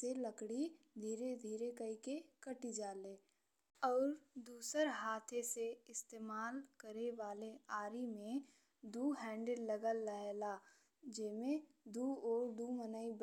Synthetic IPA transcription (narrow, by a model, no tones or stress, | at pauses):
seləkɽid̪ʱiːɾed̪ʱiːɾekəikekəʈid͡ʒaːleː | ɔːɾd̪uːsəɾɦaːt̪ʰeseɪst̪eːmaːlkəɾeʋaːleaːɾimẽ | d̪uːɦɛ̃ːɳɖɪlːəɡəlːəɦla | d͡ʒɪmẽ | d̪uːɔːɾd̪umənəib